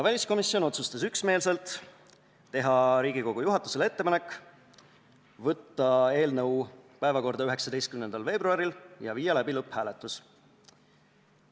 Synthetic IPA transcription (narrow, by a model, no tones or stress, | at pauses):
vælʲisko̞misːjo̞no̞t̪sust̪ɑsyksme̞ːlse̞lt̪ˑː | e̞ɦɑɾiːɡ̥iko̞ɡ̥ujuɦɑt̪ːˑu̥se̞le̞t̪ːe̞pɑne̞kː | vɤt̪ːɑe̞ːlnɤwpæe̞vɑko̞rd̪ɑyɦe̞ksɑd̪ejst̪̚kymnenɑlve̞ːbruɑɾiljɑ̰viːjɑlæbilɤpːhæːle̞t̪ːˑus